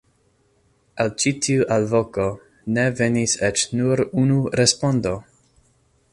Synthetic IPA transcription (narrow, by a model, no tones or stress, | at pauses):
alt͡ʃitʰiuʔalvoko̞ | ne̞ve̞niset͡ʃnuɾunuɾespondo̞